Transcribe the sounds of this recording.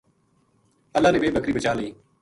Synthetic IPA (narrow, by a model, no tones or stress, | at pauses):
əlːaːneːbeːbəkɾiːbət͡ʃaːleiː